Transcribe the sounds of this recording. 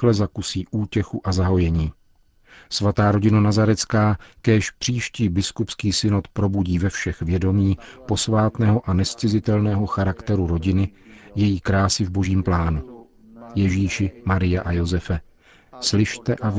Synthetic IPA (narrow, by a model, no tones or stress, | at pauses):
lɛzakusiːʔuːcɛxuʔazaɦo̞jɛɲiː | svat̪aːɾo̞ɟɪnanazaɾɛt͡skaːkɛːʃpr̝̥iːʃciːbɪskupskiːsɪnot̪pɾo̞buɟiːvɛfʃɛxvjɛdo̞miːpo̞svaːt̪nɛːɦo̞ʔanɛst͡sɪzɪt̪ɛlnɛːɦo̞xaɾakt̪ɛɾuɾo̞ɟɪnɪjɛjiːkɾaːsɪvbo̞ʒiːmplaːnu | jɛʒiːʃɪmaɾɪjaʔajo̞zɛfɛ | slɪʃt̪ɛʔav